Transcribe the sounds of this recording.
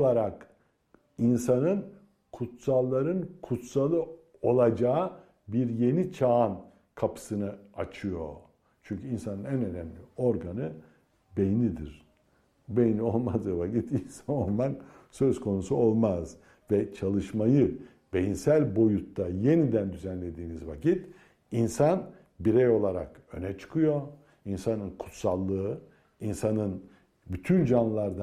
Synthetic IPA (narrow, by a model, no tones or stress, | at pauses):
lˠaɾak | insanɯn | kʰut̪salˠːaɾɯnkʰut̪salˠɯ | o̞lˠad͡ʒaː | biɾje̞nit͡ʃʰan | kʰapʰɯ̥sɯnɯat͡ʃʰɯjo̞ | t͡ʃʰyɲcʰyinsanɯnænø̞næmlʲio̞ɾɡanɯ | bejnʲid̪iɾ̥ | bejnʲio̞lˠmazɯvakit̪insanolˠman | sø̞zkʰo̞nusuo̞lˠmaz | vɛt͡ʃʰalˠɯʃmajɯ | be̞jinsælʲbo̞jut̪ːaje̞nid̪ænd̪yzænlʲe̞d̪iːnizvacit̪ | insan | biɾɛjo̞lˠaɾa̰k | ø̞nɛt͡ʃʰɯ̥kʰɯjo̞ | insanɯnkʰu̥t̪salˠːɯɯ | insanɯn | byt̪ʰynd͡ʒanlˠaɾd̪a